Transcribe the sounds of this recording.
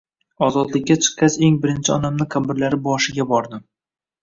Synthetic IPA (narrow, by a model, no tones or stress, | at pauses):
ɒzɒd̪lɪkʲːat͡ʃʰɨ̥qːɑt͡ʃe̞ŋbɪɾɪnt͡ʃʰɪɒnamnɪkʰambɪɾlaɾɪbɒʃɪɡʲabɒɾd̪ɪm